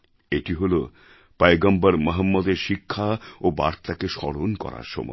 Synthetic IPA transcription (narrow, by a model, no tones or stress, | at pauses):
eʈiɦolo | pajɡɔmbaɾmɔɦamːod̪eɾʃikʰːaoba̰ɾt̪akeʃɔɽonkɔ̰ɾa̰ɾʃɔ̰mɔ̰